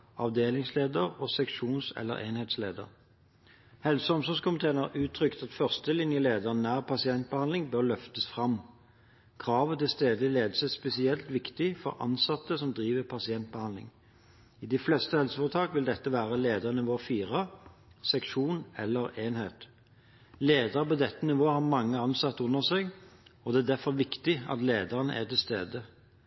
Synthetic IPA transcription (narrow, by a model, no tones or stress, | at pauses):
ɑʋd̪eːlɪŋsleːd̪əʁɔsɛkʃuːnsɛ̰lːə̰ʁʔeːnheːt̪sleːd̪ə̰ʁ | hɛlsəɔmsɔskʰʊmɪt̪ʰeːənɑʁʔʉːt̪ʰʁʏkt̪ɑt̪fœʁst̪əlɪnjəleːd̪ənæːʁpʰɑsɪɛnt̪̚bəhɑnlɪŋbøʁlœft̪əsfʁɑm | kʰʁɑːʋət̪ɪst̪eːd̪əleːd̪əsəspɛsɪɛlt̪ʋɪkt̪ɪfɔʁʔɑ̰nsɑt̪ːəsɔmd̪ʁiːʋəpʰɑsɪɛnt̪̚bəhɑnd̪lɪ̰ŋ | ɪd̪ɪflɛst̪əhɛlsəfɔʁt̪ʰɑːkʋɪld̪ɛt̪ːəʋæːʁəleːd̪əʁnɪʋoːfiːʁəsɛkʃuːnɛ̰lːəʁeːnheːt̪ | leːd̪əʁəpɔd̪ɛt̪ːənɪʋoːəhɑʁmɑŋːəɑnsɑt̪ːəʊnːəʁsɛɡɔd̪ɛæːd̪æfɔʁʋɪkt̪ɪɑ̰t̪leːd̪əʁənə̰ʔæ̰t̪ɪlst̪ḛːd̪ə